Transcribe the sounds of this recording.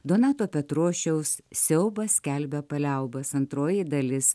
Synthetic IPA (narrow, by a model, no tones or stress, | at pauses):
d̪oːnɑːt̪oːpʲɛt̪ɾuɔʃʲɛʊssʲɛʊbɐsʲkʲælʲbʲɛpɐlʲɛʊbɐsɐnt̪ɾoːjid̪ɐlʲɪs